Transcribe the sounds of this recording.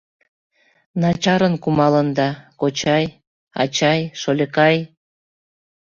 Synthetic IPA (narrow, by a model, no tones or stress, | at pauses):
nɑt͡ɕɑɾənkumɑlənd̪ɑkot͡ɕɑj | ɑ̰t͡ɕɑjʃolʲəkɑj